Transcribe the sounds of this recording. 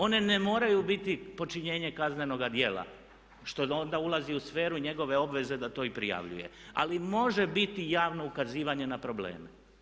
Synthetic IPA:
o̞ne̞nemo̞ːɾajubit̪ipo̞t͡ʃiɲe̞ːɲe̞kazne̞no̞ɡad̪je̞ːlˠa̰ | ʃt̪o̞o̞nd̪aulˠaziusfe̞ːɾuɲe̞ɡo̞ʋe̞o̞bʋe̞ze̞d̪at̪o̞ːipɾḭja̰ʋʎṵje̞̰a̰limo̞ʒe̞bit̪ijaːʋno̞ukaziːʋaɲe̞napɾo̞blḛːme

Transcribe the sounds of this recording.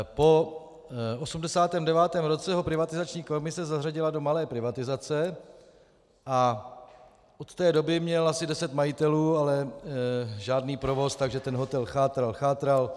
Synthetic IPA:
po̞ | osumdɛsaːt̪ɛːmdɛvaːt̪ɛːmɾo̞t͡sɛɦopɾɪvat̪ɪzat͡ʃɲiːkomɪsɛzaɦraɟɪlado̞malɛːpɾɪvat̪ɪzat͡sɛ | ʔa | ʔot̪ːɛːdo̞bɪmɲɛlasɪdɛsɛt̪majɪt̪ɛluːalɛ | ʒaːdniːpɾo̞vo̞st̪aɡʒɛt̪ɛnɦo̞t̪ɛlxaːt̪ɾalxaːt̪ɾal

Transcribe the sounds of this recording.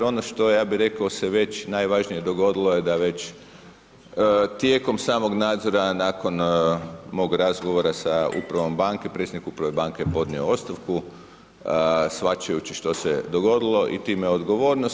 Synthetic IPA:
ɾo̞noʃt̪o̞jaːbiɾe̞kaoseʋe̞t͡ɕnajʋaʒnije̞d̪o̞ɡo̞d̪ilˠojed̪aʋe̞t͡ɕ | t̪jeko̞msaːmoɡnaːd̪zo̞ɾanaːko̞n | mo̞ɡɾazɡoʋo̞ɾasaṵpɾaʋo̞mbaŋke̞pɾe̞t̪sʲed̪nikupɾaʋe̞baŋkejpo̞d̪nioo̞st̪aʋku | sfʋat͡ʃajut͡ɕiʃt̪o̞sed̪oɡo̞d̪ilˠo̞ʔḭt̪iːmeod̪ɡo̞ʋo̞ːɾnos

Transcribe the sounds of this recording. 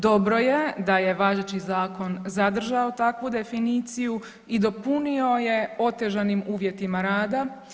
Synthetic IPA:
d̪o̞bɾo̞jed̪aje̞ʋaʒet͡ʃizaːko̞nzad̪r̩ʒaot̪akʋud̪e̞finiːt̪siju | id̪o̞punio̞je̞o̞t̪e̞ʒanimuːʋjet̪imaɾaːd̪a

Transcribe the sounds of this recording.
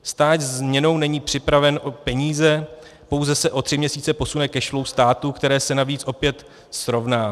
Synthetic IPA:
st̪aːdzzmɲɛno̞wnɛɲiːpr̥ɪpɾavɛnʔopɛɲiːzɛ | po̞wzɛsɛʔo̞t̪r̥ɪmɲɛsiːt͡sɛpo̞sunɛkɛʃlowst̪aːt̪ukt̪ɛɾɛːsɛnaviːt͡sʔo̞pjɛt̪ | sɾo̞vnaː

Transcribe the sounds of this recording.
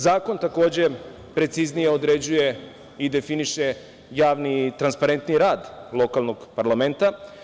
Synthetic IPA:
zaːko̞nt̪ako̞ːd͡ʑe̞ | pɾe̞t̪siznije̞od̪ɾe̞d͡ʑuje̞ | id̪e̞finiʃe̞ | jaːʋnit̪ɾanspaɾe̞nt̪niɾaːd̪lˠo̞kalˠno̞ɡpaɾlame̞nt̪a

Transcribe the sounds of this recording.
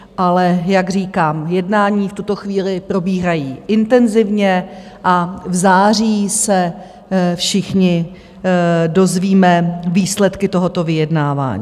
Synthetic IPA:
ʔalɛjaɡr̝iːkaːmjɛdnaːɲiːft̪ut̪o̞xviːlɪpɾo̞biːɦajiːʔɪnt̪ɛnzɪvɲɛ | ʔavzaːr̝iːsɛ | fʃɪxɲɪ | do̞zviːmɛviːslɛt̪kɪt̪o̞ɦot̪o̞vɪjɛdnaːva̰ːɲḭː

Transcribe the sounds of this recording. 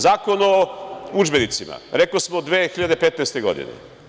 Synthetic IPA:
zaːko̞noud͡ʒbenit̪sima̰ɾeklosmod̪ʋeːxiʎad̪e̞pet̪nejst̪e̞ɡo̞̰d̪ḭnḛ

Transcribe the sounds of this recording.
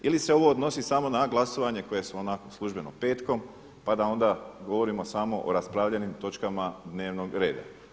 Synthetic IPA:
ilise̞o̞ʋo̞od̪no̞sisamo̞naɡlˠaso̞ʋaɲe̞ko̞je̞suonakoslˠuʒbe̞nope̞ːt̪ko̞m | pad̪ao̞nd̪aɡo̞ʋo̞ɾimo̞samo̞ʔoɾaspɾaʋʎenimt̪o̞t͡ʃkamad̪ne̞ːʋno̞ɡɾe̞ːd̪a̰

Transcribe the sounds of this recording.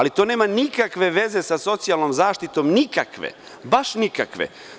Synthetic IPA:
lit̪o̞ːneːmanikakʋe̞ʋe̞ze̞saso̞t̪sijalˠno̞mzaːʃt̪it̪o̞mnikakʋḛ | baʃnikakʋḛ

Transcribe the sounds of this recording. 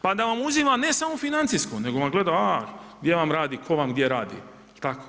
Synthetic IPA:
pad̪aʋamuzimane̞samofinant̪siskone̞ɡoʋaɡle̞d̪aɡd̪je̞ʋamɾaːd̪ikʰo̞ʋamɡd̪jeɾaːd̪ḭ | lt̪ako̥

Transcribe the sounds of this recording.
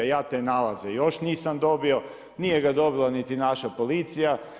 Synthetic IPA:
jaːt̪enalazejo̞ʃniːsamd̪o̞bio̞ | nijeɡad̪o̞bilˠanit̪inaʃapo̞lit̪sija

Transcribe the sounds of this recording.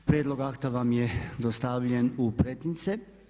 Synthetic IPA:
pɾijed̪lˠo̞ɡakt̪aʋamjed̪ost̪aʋʎenupɾet̪int̪se

